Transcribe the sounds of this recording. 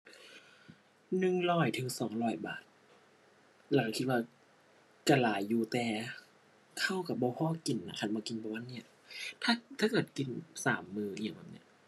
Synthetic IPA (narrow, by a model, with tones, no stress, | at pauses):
nɯ˧ŋlɔː˧˩jt̪ʰɯ˨˦ŋsɔː˨˦ŋlɔː˧˩jba̰ː˨˩t̪̚ | laː˨˦ŋkʰi˧t̪̚waː˧ | kaː˧˩laː˨˦jːuː˧˦t̪ɛː˨˧ | kʰa˧˥˩wka˧˩bɔː˧pʰɔː˧˥˨ki˨˩nːa˧˩kʰa˧˩nbɔː˧˦ki˨˧˨nbɔː˧wa˧˥˨nːi˧˩ɐ | t̪ʰaː˧˥˩t̪ʰaː˧˥˩kɤː˨˩t̪̚ki˧nsaː˩˦mːɯː˧ʔi˧˩ə˨ŋba˨˧˩p̚nḭ˧˩